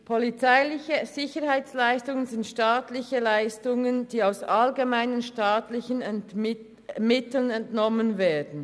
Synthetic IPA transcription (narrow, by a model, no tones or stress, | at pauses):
pʰɔlit͡saɪlɪçəz̥ɪçəhaɪt͡slaɪstʊŋənzɪntʃtaːtlɪçəlaɪstʊŋənd̥iːaʊsʔalɡemaɪnənʃtaːtlɪçən | mɪtl̩ənɛntnɔmənveːɐdn̩